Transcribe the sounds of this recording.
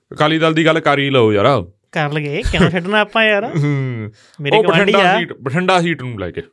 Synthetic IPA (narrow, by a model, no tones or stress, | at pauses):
kaːliːd̪əld̪iːɡəlkaːɾiːləːoːjaːɾaː | kəɾləɡekɛnõːʃʰeɖnãːpːãːjaːɾ | meːɾeːkəəʈːʰəɳiɖaːasːiːʈpəʈʰəɳɖaːsiːʈnũːlɛ̰ːkeː